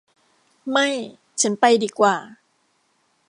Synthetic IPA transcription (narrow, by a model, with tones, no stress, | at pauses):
ma˥˩j | t͡ɕʰa˦˥npa˧jdiː˧˩kwaː˨˩